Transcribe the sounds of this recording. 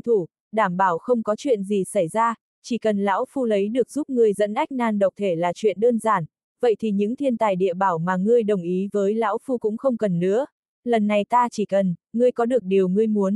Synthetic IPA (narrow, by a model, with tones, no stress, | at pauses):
t̪ʰu˧˩ | ɗaː˧˩mɓaː˧˩wxə˧wŋ͡mkɔ˨˦t͡ɕwḭ˧˨ənzi˨˩sa˧˩jzaː˧ | t͡ɕi˧˩kə˨˩nla̰ː˧˥wfu˧lə˨˦jɗɨ˨˩ək̚z̥u˦˥p̚ŋɨ˨˩əjzə̰˧˥nʔa˦˥k̚naː˧nɗə˨˩wk͡p̚t̪ʰe˧˩laː˨˩t͡ɕwḭ˧˨ənɗəː˧nzaː˧˩n | və̰˧˨jt̪ʰi˨˩ɲɨ̰˧˥ŋt̪ʰi˧nt̪aː˨˩jɗḭ˧˨əɓaː˧˩wmaː˨˩ŋɨ˧əjɗə˨˩wŋ͡mʔi˨˦vəː˨˦jla̰ː˧˥wfu˧kʊ̰˧˥ŋ͡mxə˧wŋ͡mkə˨˩nːɨ̰˧˥ə | lə˨˩nːa˨˩jt̪aː˧t͡ɕi˧˩kə˨˩nŋɨ˧əjkɔ˨˦ɗɨ˨˩ək̚ɗi˨˩əwŋɨ˧əjmu˨˦ən